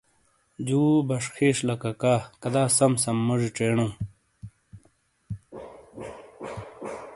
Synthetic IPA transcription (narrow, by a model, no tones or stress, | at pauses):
d͡ʑuːbɐʂxʰeːɕlɐkɐkaːkɐd̪aːsɐmsɐmːɐʐiʈ͡ʂeːɳũː